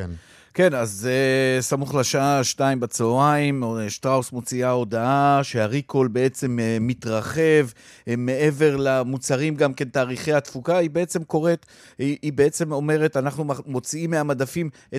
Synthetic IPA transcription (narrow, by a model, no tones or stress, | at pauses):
ke̞nazesamuχlaʃaaʃnaimbat͡soaimʃt̪ʁaosmo̞t͡siao̞daʔaʃeaʁiko̞lbee̞t͡se̞mmːit̪ʁaχe̞v | me̞ʔe̞ve̞ʁlamut͡saʁimɡamke̞ntaːʁiχejat̪fukaibe̞et͡semko̞ʁe̞t̪ | iʔibe̞et͡se̞mo̞me̞ʁe̞tanaχnumo̞t͡siimːeamadafim | e